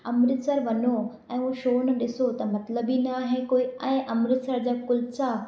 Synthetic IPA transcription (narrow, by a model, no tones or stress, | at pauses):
ɐmɾɪt̪səɾʋɐɲo | ɛ̃ːuoʃoːn̆ɗɪsot̪ɐmɐt̪ləbinaɦẽkoːiɛ̃ːʔɐmɾɪt̪səɾd͡ʑaːkʊlt͡ɕa